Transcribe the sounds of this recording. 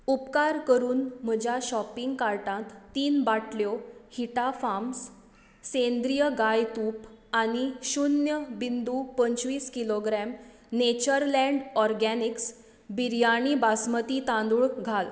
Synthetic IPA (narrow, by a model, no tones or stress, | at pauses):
upkaɾkəɾuːnm̤əd͡ʑʱjaɕɔpiŋɡkaɾʈãt̪ːiːnbaʈʰljohiʈafamsː | end̪ɾijəɡajt̪upaniɕunjəbind̪upəɲt͡ɕʋiːskiloɡɾɛm | net͡ɕəɾlɛ̃ɳɖɔɾɡɛniks | biɾjaɽ̃ibasmət̪it̪ãnd̪uɭɡʱal